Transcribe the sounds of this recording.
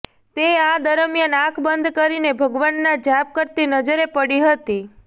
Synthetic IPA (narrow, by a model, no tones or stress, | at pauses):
t̪ead̪əɾəmjənãkʰbənd̪ʱkəɾinebʱəɡʋanːad͡ʒap̚kəɾt̪inəd͡ʒəɾepəɽiɦət̪i